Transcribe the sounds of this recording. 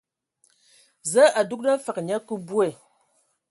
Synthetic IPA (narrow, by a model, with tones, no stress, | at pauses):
zə˦ʔa˨du˦k̚na˦fa˨kɲa˦ku˦bu˦ɛ˨